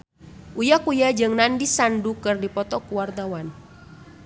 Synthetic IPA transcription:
ʔujakujad͡ʒəŋnandisandukɨrdipɔt̪ɔkuwart̪awan

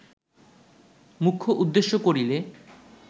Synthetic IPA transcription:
mukʰːoʔud̪ːeʃːokoɾile

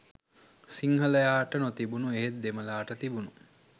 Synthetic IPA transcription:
siŋɦələjaːʈənot̪ibunueɦet̪̚d̪eməlaːʈət̪ibunu

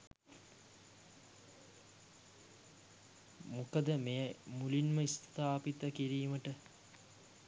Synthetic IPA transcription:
mukəd̪əmejəmulinməist̪t̪ʰaːpit̪əkiɾiːməʈə

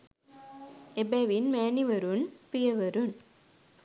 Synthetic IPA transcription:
ebeʋinmeːniʋɐɾɯnpijɐʋɐɾɯn

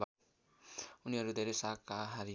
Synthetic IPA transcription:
uniɦʌɾud̪ʱeɾesakaɦaɾi

